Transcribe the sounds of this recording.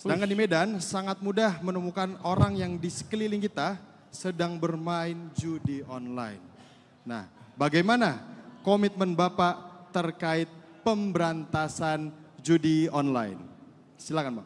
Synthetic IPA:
sədaŋkandimedansaŋat̪̚mudahmənəmukanoɾaŋjaŋdisə̥kəliliŋkit̪a | sədaŋbərmaɪnd͡ʒudiɔnla̰ɪ̰nː | a̰hbaɡajmanakomit̪̚mənbapaʔt̪ərkaɪt̪̚pəmbəɾant̪asand͡ʒudiɔnla̰ɪ̰n | silakanba̰

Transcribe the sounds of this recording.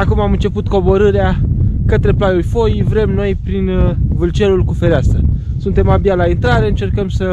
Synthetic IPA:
akumamɨnt͡ʃe̞put̪ko̞bo̞ɾɨɾeakət̪ɾe̞plajulʲfo̞jivɾe̞mno̞jpɾinvɨlt͡ʃe̞lulkufe̞ɾeasə | sunt̪e̞mabialaint̪ɾaɾe̞ɨnt͡ʃe̞rkəmsə

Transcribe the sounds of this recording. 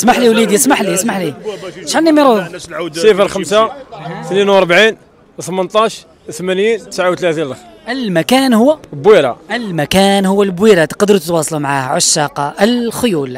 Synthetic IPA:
smaħliwlid̪jasmaħlismaħliʃħənːimiɾusifəɾxəmsaθninwɑɾˤbʕin | θəmənt̪ˤɑʃ | t̪mænjint̪əsʕawt̪læt̪inlxʔəlmækænhʊwːælbwiɾa̰əlmækænhʊwːælbwiɾæt̪qɑd̪əɾut̪t̪wɑsˤlumʕahʕaʃːɑqɑʔəlxʊjul

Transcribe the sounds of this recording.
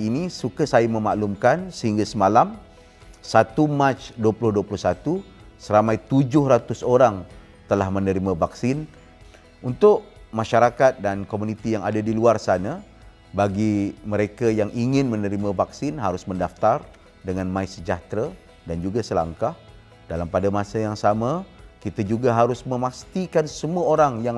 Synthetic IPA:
inisukasajamə̃maʔlumkansəɦiŋɡasəmalam | sat̪umat͡ʃduəplʊhduəplʊhsat̪u | səɾamãjt̪ud͡ʒʊhrat̪ʊsoɾaŋ | t̪əlahmənəɾimãvaksɪn | unt̪ʊʔ | maʃaɾakat̪̚dankomunit̪ijaŋadadiluarsana | baɡiməɾekajaŋʔiŋɪnmənəɾimãvaksɪnɦaɾʊsməndaft̪ar | dəŋanmãisəd͡ʒaht̪ɾa | dand͡ʒuɡasəla̰ŋkah | dalampadamasajaŋsamakit̪ad͡ʒuɡaɦaɾʊsmə̃mast̪ikansəmuaoɾaŋjaŋ

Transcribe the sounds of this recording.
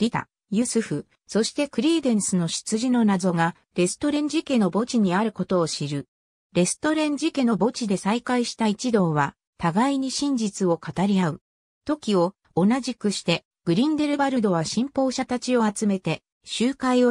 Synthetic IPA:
ɾʲit̪a̰ | jɯsɨɸɯ̟ | so̞ɕi̥t̪e̞kɯ̟ɾʲiːd̪ẽ̞ɰ̃sɨno̞ɕi̥t͡sɨʑino̞nazo̞ɡa | ɾe̞sɨ̥t̪o̞ɾẽ̞ɲ̟d͡ʑike̞no̞bo̞t͡ɕiɲ̟iaɾɯ̟ko̞t̪o̞ːɕiɾɯ̟ | ɾe̞sɨ̥t̪o̞ɾẽ̞ɲ̟d͡ʑike̞no̞bo̞t͡ɕid̪e̞saikaiɕi̥t̪ait͡ɕid̪o̞ːβa | t̪aɡaiɲ̟iɕĩɲ̟d͡ʑit͡sɨo̞kat̪aɾʲiaɯ̟ | t̪o̞kʲio̞ | onaʑikɯ̟ɕi̥t̪e̞ | ɡ̥ɯ̟ɾʲĩnd̪e̞ɾɯ̟baɾɯ̟d̪o̞β̞aɕĩmpo̞ːɕat̪at͡ɕio̞at͡sɨme̞t̪e̞ | ɕɨːkaio

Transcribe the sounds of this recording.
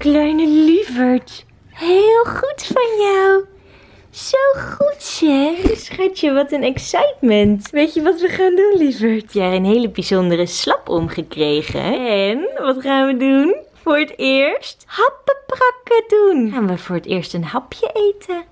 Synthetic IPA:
klœɥnəlivəɹt | ɦɪlˠχutfɑnjaw | z̥owχutsɛsχatjəʋɑtənɛksɛjtmɛntʋejtəʋɑtʋəχaːndunlivəɹtjaənɦejləbizɔndərəslɑpɔmχəkrejχə̰ɛnʋɑtχaːnʋədunfʊːɹətɪːɹsthɑpəprɑkədunχaːnʋəvʊːɹətɪːɹstənɦɑpjəʔejtʰə

